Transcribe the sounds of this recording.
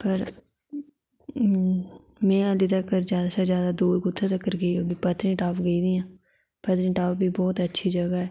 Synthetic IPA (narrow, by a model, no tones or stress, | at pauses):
pəɾ | mɛ̃ːəd̪it̪əkːəɾd͡ʒjaːd̪asad͡ʒjaːd̪aːd̪uːɾɡʊt̪ʰːet̪əkːəɾɡəiːoːɡipət̪ɾĩːʈaːpɡəiːd̪iːãː | pət̪ɾĩːʈaːpbʱiːbɔːt̪ətːʃʰiːd͡ʒəɡaɦɛː